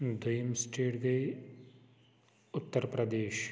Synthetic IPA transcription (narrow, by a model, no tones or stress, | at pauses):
d̪ʱɐjəmsʈeːʈɡɐi | ʊt̪ːəɾpɾɐd̪eːʃ